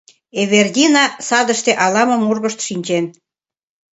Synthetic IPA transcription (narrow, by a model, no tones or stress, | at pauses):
eβerd̪ʲinɑsɑd̪əʃt̪eʔɑlɑmə̆murɣəʃt̪ʃinʲt͡ɕen